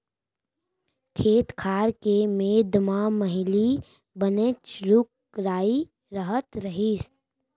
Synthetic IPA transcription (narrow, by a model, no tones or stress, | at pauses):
kʰeːt̪kʰaːɾkemeːd̪maməɦɪli | bənet͡ʃɾʊk | ɾaːi | ɾəɦət̪ɾəɦis